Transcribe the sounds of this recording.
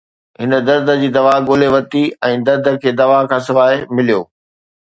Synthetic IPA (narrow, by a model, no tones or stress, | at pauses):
ɦɪnəd̪ɐɾd̪ʱə̆d͡ʑiːd̪ɐʋaːɠoːleʋɐt̪iɛ̃ːd̪ɐɾd̪ʱə̆kʰeːd̪ɐʋakʰãːsɪʋaːemɪlijo̰ː